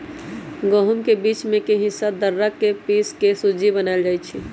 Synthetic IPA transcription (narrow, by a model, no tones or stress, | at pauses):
ɡoɦumkebiːt͡ʃmẽkeɦɪsad̪əɾːəkːepiskesud͡ʒibənaːld͡ʒaːjt͡ʃʰi